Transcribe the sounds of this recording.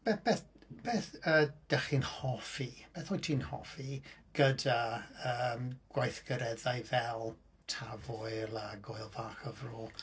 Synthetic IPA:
b̥eːb̥eːθb̥eːθəːd̥ɛχinhɔfib̥eːθɔjtʰiːnhɔ̰fiɡ̥ədaəːmɡ̥wajθɡ̥əɾɛðajvɛlˠ | tʰavʊɨlˠaɡʊɨlˠvaχəvrɔːlˠ

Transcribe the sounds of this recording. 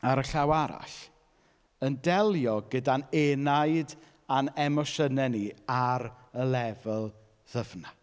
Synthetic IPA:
aɾəɬawaɾa̰ɬ | əndɛlˠjɔɡədanenajd | anɛmɔʃənɛniaɾ | əlˠɛvəlˠ | ð̥əvna

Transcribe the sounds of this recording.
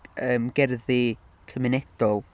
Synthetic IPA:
əːmɡ̥ɛrði | kʰəmɪnɛd̥ɔlˠ

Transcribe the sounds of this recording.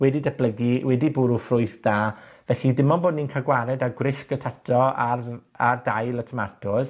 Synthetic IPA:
wɛdidab̥ləɡiwɛdibʊɾufrʊɨθd̥aːvɛɬidɪmɔnboːdniːnkʰaɡwaɾɛdaɡwrɪɬkətʰatʰɔa̰rardajlˠətʰəma̰rtʰʊð

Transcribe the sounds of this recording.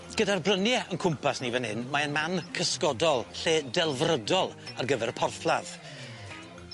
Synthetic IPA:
ɡ̥ədarbrənjɛənkʰʊmpʰasniːvɛnhɪnmaənmankʰəskɔdɔlˠɬeːdɛlˠvrədɔlˠarɡəvɛɾəpʰɔrflˠað̥

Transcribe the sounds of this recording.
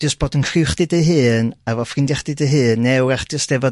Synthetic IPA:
d̥əsb̥oːdənkʰrɪwχdɨdeɦɨːnavɔfrɪndjɛχdɪdejɦɨːnːɛwaχd̥əsd̥ɛvɔ

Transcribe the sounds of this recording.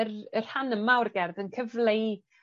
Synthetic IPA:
rər̥hanəmawrɡɛrðənkʰəvlˠej

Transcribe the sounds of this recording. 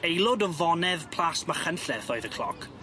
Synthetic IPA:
ejlˠʊdɔvɔnɛðpʰl̥ˠasmaχənɬɛθɔɨðəkʰl̥ɔ̰kʰ

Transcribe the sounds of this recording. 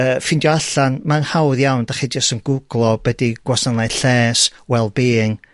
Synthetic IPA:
əːfɪndjɔaɬanmanhawðjawndaχid͡ʒastənɡʊɡlˠɔb̥ɛdiɡ̥wɔsanajɬɛːswɛlˠbeːŋ

